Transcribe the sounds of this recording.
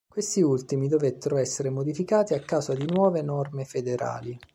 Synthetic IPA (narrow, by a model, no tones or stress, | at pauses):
kwest̪iult̪imid̪ovet̪ːeɾoɛsːeɾemod̪ifikaːt̪iakːaːzad̪inwɔːvenɔrmefed̪eɾa̰ːli